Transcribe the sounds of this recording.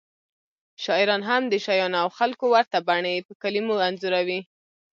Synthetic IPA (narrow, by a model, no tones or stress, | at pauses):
ʃɑɪɾɑnɦamd̪əʃajɑnawxalkowaɾt̪abaɳəpəkalimoanzuɾawi